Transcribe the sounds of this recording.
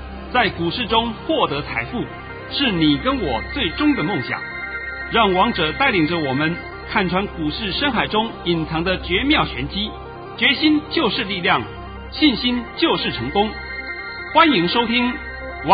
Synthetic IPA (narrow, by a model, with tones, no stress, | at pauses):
t͡sa˥˩ɪku˨˩ʂɻ̩˥˩ʈ͡ʂʊ˥ŋxwɔ˥˩t̪ɤ˧˥t͡sʰa˧˥ɪfu˥˩ | ʂɻ̩˥˩ni˨˩kə˥nwɔ˨˩t͡swe˥˩ɪʈ͡ʂʊ˥ŋd̪ə˨mʊ˥˩ŋɕjɑ̰˨˩˦ŋ | ɻɑ˥˩ŋwɑ˧˥ŋʈ͡ʂɤ˨˩t̪a˥˩ɪli˨˩ŋʈ͡ʂə˧wɔ˨˩mə˦n | k̪ʰa˥˩nʈ͡ʂʰwa˧˥nku˨˩ʂɻ̩˥˩ʂə˥nxa˨˩ɪʈ͡ʂʊ˥ŋi˨˩nt͡sʰɑ˧˥ŋd̪ə˧t͡ɕɥɛ˧˥mjɑ˥˩ʊɕɥɛ˧˥nt͡ɕi˥ | t͡ɕɥɛ˧˥ɕi˥nt͡ɕjo˥˧ʊʂɻ̩˥˧li˥˧ljɑ˥˩ŋ | ɕi˥˩nɕi˥nt͡ɕjo˥˧ʊʂɻ̩˥˩ʈ͡ʂʰɤ˧˥ŋkʊ˥ŋ | xwa˥ni˧˥ŋʂo˥ʊt̪ʰi˥ŋ | w